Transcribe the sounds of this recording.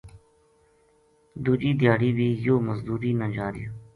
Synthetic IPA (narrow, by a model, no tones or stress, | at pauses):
d̪uːd͡ʒiːd̪jaːɽiːbiːjoːməzd̪uːɾiːnəd͡ʒaːɾḭjoː